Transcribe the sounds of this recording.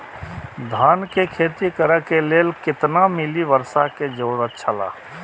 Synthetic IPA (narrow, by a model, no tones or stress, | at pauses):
d̪ʱaːnkekʰeːt̪ikəɾəkeleːlkɪt̪namɪliʋəɾsaked͡ʒoːɽət̪t͡ʃʰəla̰ː